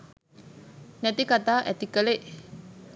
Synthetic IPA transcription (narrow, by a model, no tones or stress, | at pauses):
nɛt̪ikat̪aʔɛt̪ikəleʔ